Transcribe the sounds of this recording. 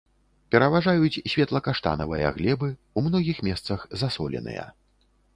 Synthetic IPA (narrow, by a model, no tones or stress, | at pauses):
pʲɛɾɐvaʐajut͡sʲsʲvʲɛt̪lˠɐkaʂt̪a̰nɐvɨjɐ̰ɣlʲɛbɨ | umnɔɣʲixmʲɛst̪sɐxzasɔlʲɛ̰nɨ̰jɐ̰